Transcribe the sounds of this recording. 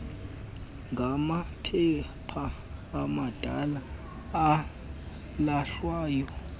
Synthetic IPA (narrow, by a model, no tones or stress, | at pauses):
ŋɡʱamapʰɛ | pʰaː | mad̥ʱa̰laː | laɬwaːjɔ